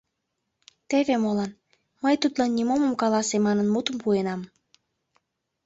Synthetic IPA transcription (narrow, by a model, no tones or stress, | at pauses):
t̪eβemolɑn | məjt̪ut̪lɑnːʲimoməmkɑlɑsemɑnənmut̪əmpuenɑm